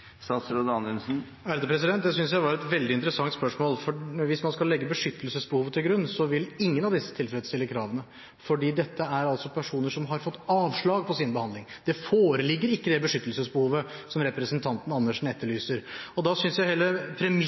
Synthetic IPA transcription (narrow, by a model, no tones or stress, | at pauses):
sɑsɾod̪ɑnʉnsn̩ | æɾd̪əpʰɾɛs̬ɪd̪ɛnt̪̚d̪ɛs̬ʏnsjæɪʋɑɾɛt̪ʋɛld̪ɪnt̪əɾəsɑŋt̪spœʂmoːlfɔʋɪsmɑnskɑlːɛɡːəbəʂʏt̪ːəlsəsbəhuːʋət̪ʰɪlɡɾʉnːsɔʋɪlɪŋːənɑʋd̪ɪsːə̥t̪ʰɪlfələt̪st̪ɪlːəkʰɾɑːʋənə | fɔɖiːd̪ɛt̪ːəæɾɑlt̪sɔpʰæʂuːnəʂɔmɦɑɾfɔt̪ːɑːʋʂɭɑːɡ̚pʰɔsɪnbəhɑnd̪ɪŋd̪̥ɛfoːɾəlɪɡːəɾɪkːəd̪ɛbəʂʏt̪ːəlsəsbəhuːʋəsɔmɾɛpɾəsənt̪ʰɑnt̪ən̩ɑnːəʂn̩ɛt̪ːəɭyːsəɾɔd̪ɑsʏnsjæɪheːləpʰɾɛm